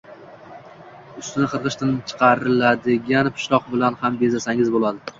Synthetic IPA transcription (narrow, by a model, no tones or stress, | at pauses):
ʊst̪ɪnɪqʰɨɾʁɨʃt̪ʰant͡ʃʰɨ̥qʰɑɾɪlad̪ɪɡʲanpʰɪ̥ʃlˠɒqbɪlanhambezasaŋʲɪzbolˠad̪ɪ